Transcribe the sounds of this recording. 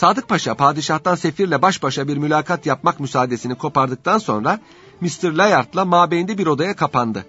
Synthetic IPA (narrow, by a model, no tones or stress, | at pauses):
saːd̪ɯk̚pʰaʃapʰaːd̪iʃaht̪anse̞fiɾlʲɛbaʃbaʃabiɾmylʲaːkʰat̪japmakmysaːd̪e̞sinikʰo̞paɾd̪ɯk̚t̪ʰanso̞̰nɾa | mist̪ʰɯɾlʲajaɾt̪lˠamaːbejind̪ɛbiɾo̞d̪ajakʰapand̪ɯ